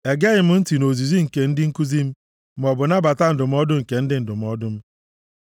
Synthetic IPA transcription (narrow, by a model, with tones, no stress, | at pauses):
e˨ɡe˦ɣɪ˨m̩˦n̩˦ti˨no˨zi˨zi˦ŋ̩˨ke˨n̩˦dɪ˦ŋ̩˦ku˦zi˦m̩˦ | m˦ɔ˨bʊ˨na˦ba˨ta˦n̩˨dʊ˨m̩˦ɔ˦dʊ˦ŋ̩˨ke˨n̩˦dɪ˦n̩˨dʊ˨m̩˨˦ɔ˦dʊ˦m̩˦